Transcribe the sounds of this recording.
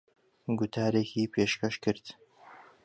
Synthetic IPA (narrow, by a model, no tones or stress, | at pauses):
ɡʊt̪ʰaːɾeːkʰiːpʰeːʃkɐʃkɨɾt̪